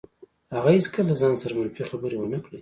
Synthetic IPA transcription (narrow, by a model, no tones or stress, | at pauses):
haɣaizkʰəlazɑnsaɾamaɾfexabəɾewənakɽej